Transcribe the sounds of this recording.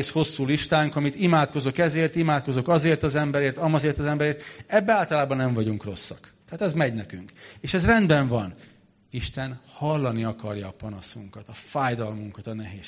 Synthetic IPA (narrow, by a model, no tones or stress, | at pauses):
sho̞sːuːliʃt̪aːŋkɒmit̪imaːt̪̚ko̞zo̞kɛzeːrt̪imaːt̪̚ko̞zo̞kɒzeːrt̪ɒzɛmbɛɾeːrt̪ɒmɒzeːrt̪ɒzɛmbɛɾeːrt̪ɛbːɛaːlt̪ɒlaːbɒnːɛɱvɒɟuŋkro̞sːɒkt̪ɛɦaːt̪ɛzmɛɟnɛkyŋkeːʃɛzrɛnd̪bɛɱvɒn | iʃt̪ɛnhɒlːɒniɒkɒrjɒːpɒnɒsuŋkɒt̪ɒfaːjd̪ɒlmuŋkɒt̪ɒnɛɦeː